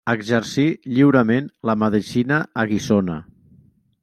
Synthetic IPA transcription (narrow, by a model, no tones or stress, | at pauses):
əɡʒəɾsiʎiwɾəmenləməðisinəəɣisonə̰